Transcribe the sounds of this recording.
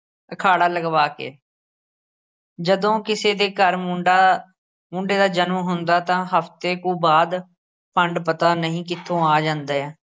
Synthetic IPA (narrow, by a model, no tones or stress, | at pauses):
əkʰaːɽaːləɡʋaːkḛː | d͡ʒəd̪õːkɪseːd̪eːkəɾmʊɖa | mʊɳɖeːd̪aːd͡ʒənmɦʊnd̪aːt̪ãːɦəft̪eːkuːbaːd̪ | pəɳɖpət̪aːnəɦĩːkɪt̪ʰːõːaːd͡ʒãːnd̪aːɛː